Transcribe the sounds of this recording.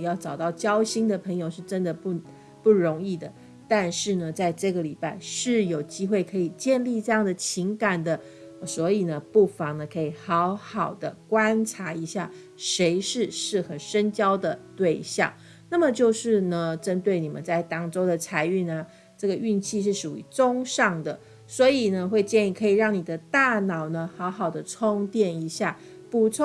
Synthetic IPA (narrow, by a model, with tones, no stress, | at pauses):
jɑ˥˩ʊʈ͡ʂɑ˨˩ʊt̪ɑ˥˩ʊt͡ɕjɑ˥ʊɕi˥ŋd̪ə˨pʰə˧˥ŋjo˧ʊʂɻ̩˥˧ʈ͡ʂə˥nd̪ə˨pu˥˩ | pu˥˩ɻo˧˥ŋi˥˩d̪ə˩ | t̪a˥˧nʂɻ̩˥˩nə˩t͡sa˥˧ɪʈ͡ʂɤ˥˩ɡə˩li˨˩pa˥˩˧ɪʂɻ̩˥˩jo˨˩ʊt͡ɕi˥xwe˥˩ɪkʰɤ˧˥i˨˩t͡ɕjɛ˥˧nli˥˧ʈ͡ʂɤ˥˧jɑ˥˩ŋd̪ə˩t͡ɕʰi˧˥ŋka˨˩nd̪ə˦˩ | swɔ˧˥i˨˩nə˩pu˥˩fɑ˨˧˥ŋnə˨kʰɤ˧˥i˨˩xɑ˧˥ʊxɑ˨˩ʊd̪ə˦kwa˥nʈ͡ʂʰa˧˥i˧˥ɕja˥˩ | ʂe˧˥ɪʂɻ̩˥˧ʂɻ̩˥˩xə˧˩nʂə˥nt͡ɕjɑ˥ʊd̪ə˨t̪we˥˧ɪɕjɑ̰˥˩ŋ | na˥˩mə˩t͡ɕjo˥˧ʊʂɻ̩˥˩nə˩ʈ͡ʂə˦nt̪we˥˩ɪni˨˩mə̰˦nt͡sa˥˩ɪt̪ɑ˥˩ŋʈ͡ʂo˥ʊd̪ə˨t͡sʰa˧˥ɪy˥˩nə˩ | ʈ͡ʂɤ˥˩ɡə˩y˥˧nt͡ɕʰi˥˧ʂ̬ɻ̩˥˩ʂu˨˩y̰˧˥t͡sʊ˥ŋʂɑ˥˩ŋd̪ə˩ | swɔ˧˥i˨˩nə˦xwe˥˧ɪt͡ɕjɛ˥˧ni˥˩kʰɤ˧˥i˨˩ɻɑ˥˩ŋni˨˩d̪ə˦t̪a˥˩nɑ˨˩ʊnə˩xɑ˧˥ʊxɑ˨˩ʊd̪ə˦ʈ͡ʂʰo˥ŋt̪jɛ˥˩ni˧˥ɕja˥˩ | pu˧˥t͡sʰ